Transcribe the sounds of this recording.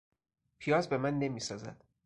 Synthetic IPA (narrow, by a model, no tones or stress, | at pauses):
pʰijɒːzbe̞mænːe̞miːsɒːzæ̰d̪̥